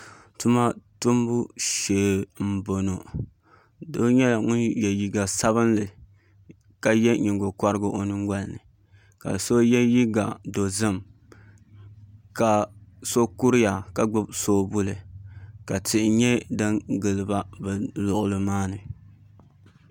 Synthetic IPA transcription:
tu˦ma˦tu˦m˦bu˦ʃeː˨m̩˦bo˨no˨ | do˦ɲɛ˦la˨ŋʊ˦njɛ˨ji˨ɡa˨sa˦βɨ˦nlɨ˨ | ka˨jɛ˦ɲi˨ŋɡo˨kʷa˦ɾɨ˦ɡʊ˦ʔo˨nɨ˦ŋɡʷa˦lnɨ̰˨ | ka̰˨so˦jɛ˦ji˦ɡa˨do˨zɨ˦m | ka˨so˦ku˦ɾɪ˦ja˨ka˨ɡ͡bʊ˦bsoː˦bu˦lɨ˨ka˨tɪ˨ʔɪ˨ɲɛ˦dɨ˦ŋɡɨ˨lɨ˨ba˦bɛ˨lʊ˨ʔʊ˨lɨ˦maː˦nɨ˨

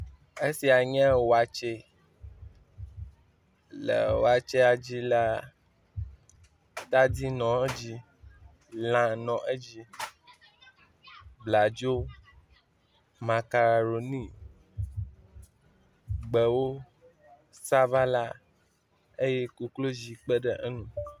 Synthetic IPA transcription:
e˦si˨a˨ɲɛ̃˦wo˨a˨t͡ʃe˦ | lɛ̰˨wo˨a˨t͡ʃe˦a˨d͡ʑi˦la˨ | t̪a˦di˦nɔ̃˨˦d͡ʑi˦ | lã˨nɔ̃˨ʔe˦d͡ʑi˦ | bla˨d͡ʒo˦ | mã˨ka˨ɾa˨ɾo˨nĩ˦ | ɡ͡bə˨wo˦ | sa˦va˦la˦ | e˦je˦ku˦klo˦d͡ʒi˨k͡pə˦ɖə˦ʔə˦nũ˨

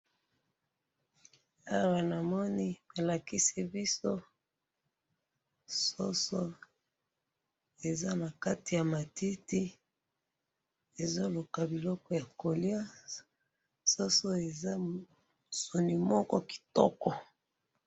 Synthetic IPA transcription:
a˦˨wa˨na˨mɔ˦ni˦ba˨la˨ki˦si˦bi˦so˦ | so˦so˦ | e˨za˦na˨ka˦ti˨ja˨ma˨ti˦ti˦ | e˨zo˦lo˨ka˨bi˨lɔ˦kɔ˦ja˨ko˨li˦a˦ | so˦so˦e˨za˦ | so˨ni˨mɔ˦kɔ˦ki̥˨tɔ˦kɔ˨

